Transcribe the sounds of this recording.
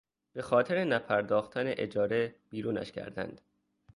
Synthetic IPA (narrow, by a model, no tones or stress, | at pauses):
b̥e̞xɒːt̪ʰe̞ɾe̞næpʰæɾd̪ɒːxt̪ʰæneʔed͡ʒɒːɾe̞b̥iːɾuːnæ̰ʃcʰæ̰ɾd̪æ̰nd̪̥